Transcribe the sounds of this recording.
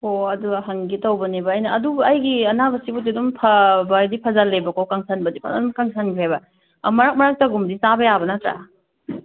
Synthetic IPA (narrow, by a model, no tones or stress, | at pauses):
oɐduɡɦɐŋɡitawbɐnebɐːjnɐːdubɐɐjɡiɐnabɐsibudidumpʰɐbɐdipʰazalːebɐkawkaŋsʰanbɐdipʰa̰adumkaŋsʰanbiajbɐ | mɐɾak̚mɐɾak̚taɡumdisabɐjabɐnatɾa̰